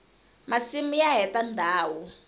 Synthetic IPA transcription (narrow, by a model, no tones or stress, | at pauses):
masimujaɦɛtandʱaːwu